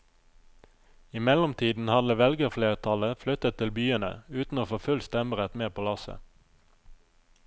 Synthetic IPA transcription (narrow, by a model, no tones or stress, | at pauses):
ɪmɛlɔmt̪ʰiːd̪n̩hɑd̪əʋɛlɡəʁfleːʁt̪ʰɑləflʏt̪ət̪ʰɪlbyːənə̰ʉːt̪n̩oːfoːfʉlst̪ɛməʁət̪meːpʰoːlɑsə̰